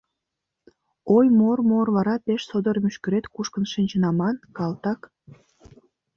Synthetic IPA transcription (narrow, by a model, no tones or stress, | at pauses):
ojmormorβɑɾɑpeʃsod̪ərmyʃkyɾet̪kuʃkənʃinʲt͡ɕənɑmɑnkɑlt̪ɑk